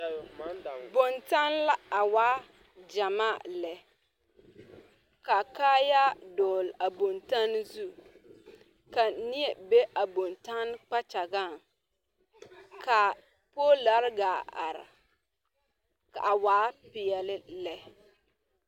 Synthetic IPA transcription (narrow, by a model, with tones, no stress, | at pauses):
bo˨nta˦nla˦a˨waː˦ | d͡ʒa˨maː˦˨lɛ˨ | ka˨kaː˦ja˦dɔː˨la˨bo˨nta˦n˦zu˦ | ka˨nɪ˦ɛ˨be˦ʔa˨bo˨nta˦n˦k͡pa˦t͡ʃa˨ɡa˦˨ŋ | ka˨ | poː˦la˨˦ɾɡaː˨a̰˨ɾɪ̰˨ | ka̰˨ʔa˨waː˨˦pɪ˨ɛ˨lɪ˦lɛ˨